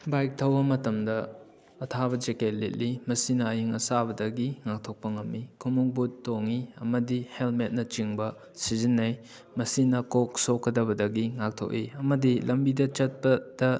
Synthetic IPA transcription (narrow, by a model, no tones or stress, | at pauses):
bajk̚tʰɐwbɐmɐtɐmdɐː | tʰabɐd͡ʒeket̚let̚limɐsinɐːjiŋɐsabɐdɐɡiŋak̚tʰok̚pɐŋɐmːikʰumuŋbutːoŋiɐ̰mɐdihelmet̚nɐt͡ʃiŋbɐ | sizinːɐj | mɐsinɐkok̚sokːɐdɐbɐdɐɡiŋak̚tʰo̰k̚iɐmɐdilɐmbidɐt͡ʃɐt̚pɐd̥ɐ